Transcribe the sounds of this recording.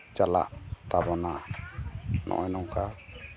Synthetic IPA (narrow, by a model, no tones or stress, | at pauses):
t͡ʃala̰ʔt̪abɔna | nʔɔ̰ʔɔjnɔŋka